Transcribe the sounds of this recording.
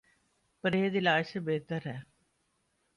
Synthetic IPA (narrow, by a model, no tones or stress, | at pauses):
pəɾeːd̪ɪlaːsəbeːt̪əɾɦɛː